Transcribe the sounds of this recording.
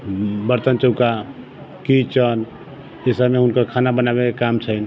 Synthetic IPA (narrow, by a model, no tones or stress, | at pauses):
bəɾt̪ənt͡ʃəʊka | kit͡ʃən | esameɦunkəɾkʰanabənabekekamt͡ʃʰən